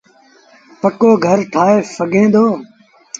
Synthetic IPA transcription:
pəkoːɡʱəɾʈʰaːɦeːfəɡʱẽːd̪oː

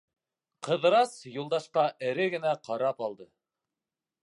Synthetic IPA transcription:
qɤ̆ðɤɾɑsjulˠd̪ɑʃqɑʔɘ̆ɾɘɡɘ̆næqɑɾɑpɑlˠd̪ɤ

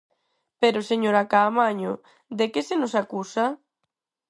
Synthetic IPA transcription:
peɾʊseɲoɾakaːmaɲʊ | d̪ekɪsenʊsakusa

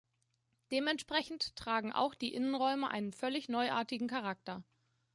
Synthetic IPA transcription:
d̥eːmɛntʃpʁ̥ɛçn̩ttʁ̥aːɡŋ̩ʔa̰ʊxd̥iːʔɪnənʁɔʏməʔa̰ɪnənfœlɪçnɔʏʔa̰ːɐtɪɡŋ̩kʰaʁ̞ak̚tɐ

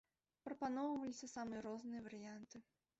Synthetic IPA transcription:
pɾɐpanɔwvɐlʲisʲɐsamɨjɐɾɔznɨjɐvɐɾɨjant̪ɨ

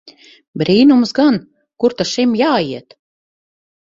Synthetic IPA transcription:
bɾiːnumsɡan | kuɾt̪aʃimjaːiɛt̪

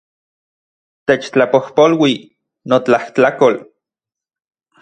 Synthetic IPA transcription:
t̪et͡ʃt͡ɬapohpolwi | not͡ɬaht͡ɬakol

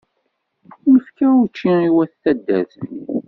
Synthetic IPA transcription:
nəfkæut͡ʃːiiwæθθæd̪ːæ̰θə̰n

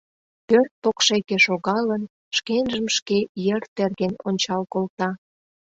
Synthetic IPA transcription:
pørt̪̚pokʃekeʃoɣɑlən | ʃkenʒəmʃkejə̆rt̪erɣenonʲt͡ɕɑlkolt̪ɑ

